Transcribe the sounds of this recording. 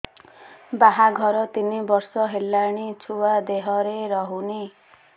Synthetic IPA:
baɦaɡʱɔɾɔt̪inibɔɾsɔɦelːaɽ̃it͡ʃʰuad̪eɦɔɾeɾɔɦuni

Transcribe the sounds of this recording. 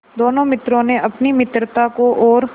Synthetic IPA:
d̪oːnõmɪt̪ɾõnẽʔɐpnimɪt̪ɾət̪akoʔɔːɾ

